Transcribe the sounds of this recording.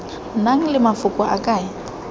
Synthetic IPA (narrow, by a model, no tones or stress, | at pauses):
naŋ̩lɪmafʊkʼwaʔakʼaːja